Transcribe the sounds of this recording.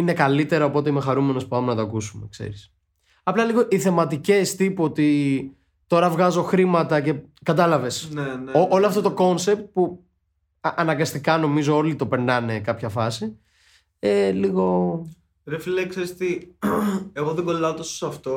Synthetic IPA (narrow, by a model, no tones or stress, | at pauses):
ine̞kɐlit̪e̞ɾɐopo̞t̪e̞ime̞xɐɾume̞no̞spu̥ɐmenɐt̪oɐkusume̞kse̞̰ɾis | ɐplɐliɣo̞ʔiθe̞mɐt̪ice̞st̪ipuot̪i | t̪o̞ɾɐvɣɐzo̞xɾimɐt̪ɐce̞kɐt̪ɐlɐve̞sneneoʔoloɐft̪o̞t̪o̞ko̞nse̞p̚t̪̚pu | ʔɐnɐŋɡɐst̪ikɐno̞mizoo̞lit̪o̞pe̞ɾnɐne̞kɐpçɐfɐsi | eliɣo̞ | ɾefilekseɾist̪i | eɣoðeɡollɐot̪ososɐft̪o